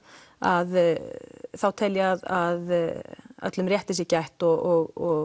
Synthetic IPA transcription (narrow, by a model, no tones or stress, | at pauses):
að | θawt̪ʰɛljɪaðað | œ̰t̪lʏmrjɛht̪ɪsjɛcajht̪ɔɔɣɔɣ